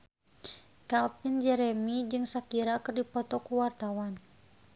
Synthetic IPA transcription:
kalpind͡ʒɛɾɛmid͡ʒɨŋsakiɾakɨrdipɔt̪ɔkuwart̪awan

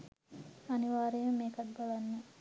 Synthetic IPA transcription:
aniʋaːɾeːməmeːkɐt̪̚balanːə

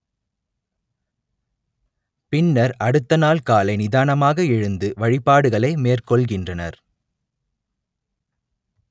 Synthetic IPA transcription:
pɪnːɐɾɐɽɯt̪ːɐnaːlkaːlɐɪnɪðaːnɐmaːɣɐɛɻɯnd̪ɯʋɐɻɪpaːɽɯɣɐɭɐɪmeːrkɔɭɣɪndrɐnɐ̰ɾ

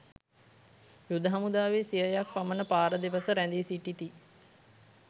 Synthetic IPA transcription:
jud̪əɦamud̪aːʋesijəjak̚pamənəpaːɾəd̪eʋəsəɾænd̪isiʈit̪i

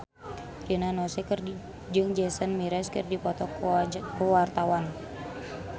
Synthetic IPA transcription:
rinanɔsɛkər | d͡ʒɨŋd͡ʒɛsənmiɾɛskə̰rdipɔt̪ɔkkəwart̪awan

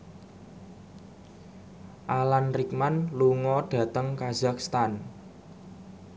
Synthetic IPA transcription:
ʔalanrikmanluŋɔɖ̥ä̤t̪əŋkaz̥a̤kst̪an

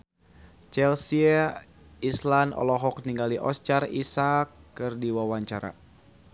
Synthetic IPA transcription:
t͡ʃɛlsia | islanɔ̰lɔɦɔk̚niŋɡaliʔɔst͡ʃarisakːɨrdiwawaɲt͡ʃaɾa̰

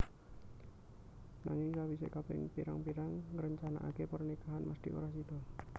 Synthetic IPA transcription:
naŋɪŋsawisekapɪ̰ŋpiɾa̰ŋpiɾaŋɾəɲt͡ʃana̰ʔakepərnikaɦanmasd̪̥iʔṵɾahsid̪ɔ

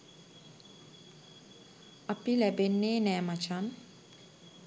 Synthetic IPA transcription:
apilɛbenːeːnɛmat͡ʃʰan

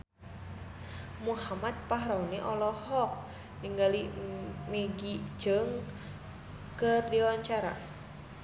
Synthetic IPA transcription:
muhamat̪̚paɦɾauniʔɔlɔhɔk̚ | niŋɡalimeɡi̥d͡ʒəŋ | kərdiwaɲt͡ʃaɾa̰

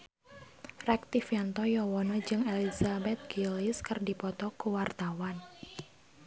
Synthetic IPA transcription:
rɛk̚t̪ifjant̪ɔjɔwɔnɔd͡ʒɨŋelizabɛt̪̚ɡ̥iliskərdipɔt̪ɔkuwart̪awan

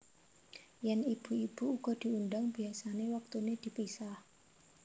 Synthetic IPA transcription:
jɛnib̥ṳib̥uuɡ̥ɔ̤d̪̥i̤undaŋb̥iasanewak̚t̪uned̪̥i̤pisah

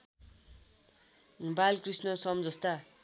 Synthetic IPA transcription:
balkrisnʌsʌmd͡zʌst̪a

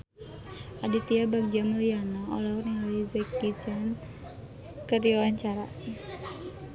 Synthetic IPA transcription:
adit̪iabak̚d͡ʒamujanao̰laurniŋawizɛk̚bit͡ʃan | kəɾiawaɲt͡ʃaɾa̰

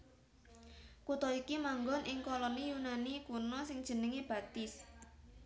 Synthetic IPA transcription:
kut̪ɔikimaŋɡɔnʔɪŋkɔlɔnijunanikunɔsɪŋd̥ʒ̥ə̤nəŋeb̥ä̤t̪ɪs

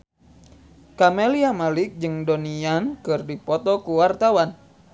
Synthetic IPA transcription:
kameliamalɪk̚d͡ʒɨŋdoniankɨrdipɔt̪ɔkuwart̪awan

